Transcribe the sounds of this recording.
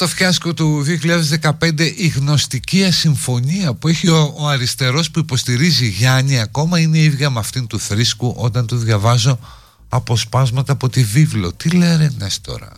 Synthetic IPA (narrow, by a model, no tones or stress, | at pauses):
t̪o̞fçɐsko̞t̪uðioçilʎɐðe̞zðe̞kɐpe̞nd̪e̞ʔiɣno̞st̪iciɐsiɱfo̞niɐpue̞çioːɐɾist̪e̞ɾo̞spuipo̞st̪iɾiziʝɐɲiɐko̞mɐine̞iðʝɐmɐft̪int̪uθɾiskuʔo̞t̪ɐnt̪uðʝɐvɐzo̞ | ɐpo̞spɐzmɐt̪ɐːpo̞t̪ivivlo̞t̪ile̞ɾenest̪o̞̰ɾɐ̰